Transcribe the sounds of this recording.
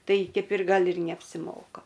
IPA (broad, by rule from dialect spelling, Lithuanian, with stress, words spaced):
ˈtɐɪ ˈkʲɛɪp ɪr ˈɡɐlˠ ɪr nʲɛɐpʲsʲɪˈmoːkɐ